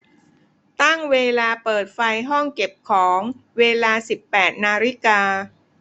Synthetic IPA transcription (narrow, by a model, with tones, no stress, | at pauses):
t̪a˥˩ŋweː˧laː˧pɤː˨˩t̪̚fa˧jɦɔ˥˩ŋke˨˩p̚kʰɔː˩˦ŋweː˧laː˧si˨˩pːɛː˨˩t̪̚naː˧ɾi˦˥˩kaː˧